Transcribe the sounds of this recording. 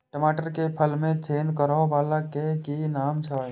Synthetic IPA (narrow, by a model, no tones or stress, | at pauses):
ʈəmaːʈəɾkepʰəlmẽt͡ʃʰeːnd̪kəɾobaːlakekinaːmsaː